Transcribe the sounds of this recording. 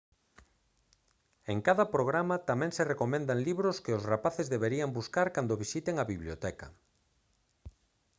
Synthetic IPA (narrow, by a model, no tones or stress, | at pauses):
eŋkaðɐpɾoɣ̞ɾamat̪amɛ̃ŋserekomẽnd̪aŋliβɾʊskɪʊsrapaθezðeβeɾiambuskaɾkand̪oβ̞isit̪eŋɐβiβljot̪ɛkɐ̰